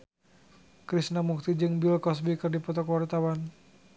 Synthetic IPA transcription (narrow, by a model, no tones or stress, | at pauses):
kɾisnamuk̚t̪id͡ʒɨŋbilkɔsbikɨrdipɔt̪ɔkwart̪awan